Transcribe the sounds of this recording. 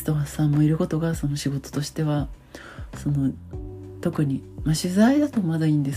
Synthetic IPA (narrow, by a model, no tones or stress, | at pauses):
t̪oɡasãmːo̞iɾɯ̟ko̞t̪o̞ɡaso̞no̞ɕiɡo̞t̪o̥t̪o̞ɕi̥t̪e̞βa | so̞no̞ | t̪o̞kɯ̟ɲ̟imaɕɨzaid̪at̪o̞mad̪aĩːnd̪e̞s